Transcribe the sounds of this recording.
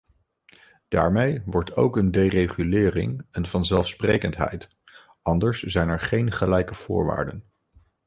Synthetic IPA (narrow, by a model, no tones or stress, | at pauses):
d̥a̰ːɹmejʋɔɹtʰo̰wkəndejrejχylɪːrɪ̰ŋɛnvɑnzɛlˠfsprejkəntɦɛ̰jt | ɑndəɹszɛjnɛɹχejnχəlɛjkəv̥ʊ̰ːɹʋa̰ːɹdən